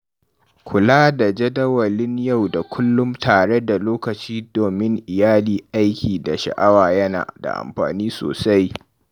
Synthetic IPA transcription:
kʷʰʊ˨laː˦da˨d͡ʒɐ˦dɐ˦wɐ˨lɪ˦ɲja˦˨wda˨kʷʰʊ˦lːʊ˦mtaː˨ɽe˦da˨loː˦kɐ˨t͡ʃiː˦doː˨mɪ˦ŋʔɪ˨jaː˦liː˨ʔa˦jkʲʰiː˨da˨ʃɐ̰˨ʔa˦waː˨jɐ˦na̰ː˨da̰˨ʔa̰˨mɸa̰ː˨niː˦so̰ː˨sa˦j

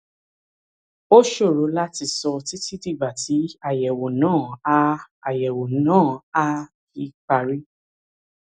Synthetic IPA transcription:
o˦ʃo˦˨ɾo˨˦la˦ti˧sɔ˧ti˦ti˦ti˦˨ba˨ti˨˦a˦˨jɛ˨wo˨nãː˦˨a˧a˨jɛ˨wo˨nãː˦˨a˧ki˧k͡pa˧ɾi˦

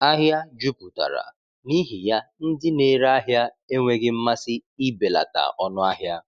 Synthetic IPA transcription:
a˦ɦja˦d͡ʒu˦pu˨ta̰˨ɾa̰˨ | ni˦ɦi˨ja˦n̩˦dɪ˦ne˦ɾa˦ɦja˦ | e˦ŋʷe˦ɡɪ˦m̩˦ma˦sɪ˦i˦be˨la̰˨ta̰˨ʔɔ˦nʊ˦a˦ɦja˦

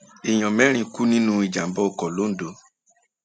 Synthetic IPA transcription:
i˨j̃ɔ̃˨mɛ̃˨˦ɾ̃ĩ˧ku˦nĩ˦nũ˦i˨d͡ʒa˨m̩˦bɔ˦˧o˧˨kɔ˨lo˨˦n̩˨do˨˦

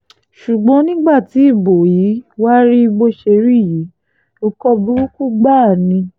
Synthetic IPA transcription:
ʃu˨ɡ͡bɔ̃˨˦nĩ˦ɡ͡ba˦˨ti˨˦i˦˨bo˨ji˨˦wa˦ɾi˦i˧ɡ͡bo˧ʃe˧ɾi˦˨ji˨˦ | o˧kɔ˧bu˦ɾu˦ku˦ɡ͡ba˦˨nĩ˧

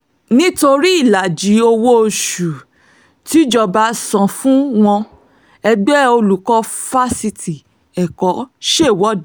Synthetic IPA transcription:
nĩ˦to˧ɾi˦i˦˨la˨d͡ʒi˨˦o˧wo˦o˧ʃu˨ | ti˨˦d͡ʒɔ˧ba˧˦sã˨fũ˦w̃ɔ̃˧ | ɛ˧ɡ͡bɛ˦o˧lu˨kɔ˦fa˦si˧ti˨ | ɛ˨kɔ˨˦ʃe˦˨wɔ˦d

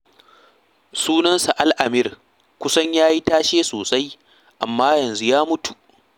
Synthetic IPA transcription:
suː˦nɐ˦nsa˨ʔa˦lʔa˨mɪ˦r | kʷʊ˦sɐ˦ɲjaː˦ji˦taː˦ʃeː˦soː˨sʼa˦j | ʔa˨mːaː˦jɐ˨nzu˦jaː˦mʊ˦tu˨

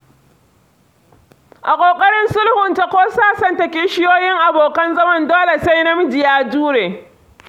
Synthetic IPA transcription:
ʔa˨kʷʼoː˨kʼɐ˦ɽɪ˦nsʊ˦lhʊ˨nta˨kʷoː˦saː˦sɐ˨ntɐ˨kʲɪ˦ʃɪ˦joː˦jɪ˦ŋʔa˨boː˨kɐ˦nzɐ˦mɐ˦ndoː˦le˨sa˦jnɐ˦mɪ˦d͡ʒɪ˨jaː˦d͡ʒuː˦ɽeː˨

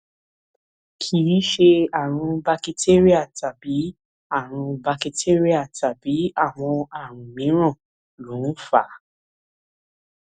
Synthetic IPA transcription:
kʰi˨i˦ʃe˧a˦˨ɾ̃ũ˧ba˧ki˧tʰe˦ɾi˦a˦˨ta˨bi˨˦ | a˦˨ɾ̃ũ˧ba˧ki˧te˦ɾi˦a˦˨ta˨bi˨˦a˦˨w̃ɔ̃˧a˦˨ɾ̃ũ˨mĩ˨˦ɾ̃ɔ̃˦˨ | lũ˨˦fa˨

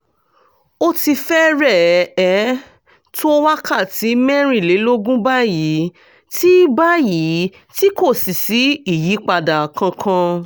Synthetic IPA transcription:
o˦ti˧fɛ˦ɾɛ˦˨ɛ˨˦ | twa˦kʰa˦˨ti˨˦mɛ˦ɾ̃ĩ˦˨le˨˦lo˦ɡũ˦ba˦˨ji˨˦ | ti˦ba˦ji˨˦ | ti˦ko˦˨si˨si˨˦i˦˨ji˨˦k͡pa˧da˨kã˧kʰã˧

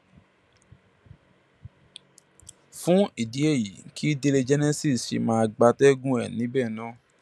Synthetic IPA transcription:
fũ˦i˦˨di˨˦e˦˨ji˨˦kʰi˦de˧le˧d͡ʒɛ˦nɛ˦si˦˨sʃḭ˨mãː˦˧ɡ͡ba˧tɛ˦ɡũ˦ɛ˨nĩ˨˦bɛː˦˨nã˦˨

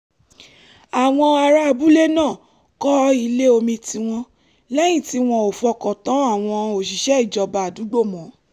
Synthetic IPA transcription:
a˨w̃ɔ̃˧a˧ɾa˧bu˦le˦nãː˦˨ | kɔ˦i˧le˦o˧mĩ˧ti˧w̃ɔ̃˧ | lɛ˦j̃ĩ˦˨ti˨˦w̃ɔ̃˧o˨fɔ˧kɔ˨tɔ̃˨˦a˦˨w̃ɔ̃˧o˨ʃi˨˦ʃɛ˦i˦˨d͡ʒɔ˧˨ba˨a˨du˨˦ɡ͡bo˦˨mɔ̃˨˦

